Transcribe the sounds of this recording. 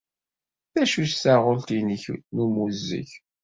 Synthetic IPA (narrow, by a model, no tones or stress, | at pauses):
θæʃuʃsaʁʊlt̪iniçnumuzːḭç